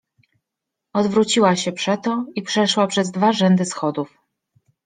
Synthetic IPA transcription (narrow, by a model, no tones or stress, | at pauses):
ɔd̪vɾut͡ɕiwaɕɛpʂɛt̪ɔipʂɛʂwapʂɛzd̪vaʐɛnd̪ɘsxɔd̪uf